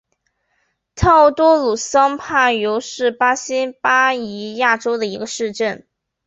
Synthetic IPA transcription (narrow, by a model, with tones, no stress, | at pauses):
t̪ʰɑ˥˧ʊt̪wɔ˥lu˨˩sɑ˥ŋpʰa˥˩jo˧˥ʊʂɻ̩˥˩pa˥ɕi˥npa˥i˧˥ja˥˩ʈ͡ʂo˥ʊd̪ə˨i˧˥ɡə˧ʂɻ̩˥˧ʈ͡ʂə˥˩n